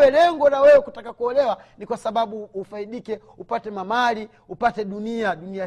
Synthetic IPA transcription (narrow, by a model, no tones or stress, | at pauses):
wɛlɛŋɡɔlawɛwɛkutakakuɔlɛwa | nikwasaɓaɓuːfaiɗikɛ | upatɛmamali | upatɛɗuniaɗunia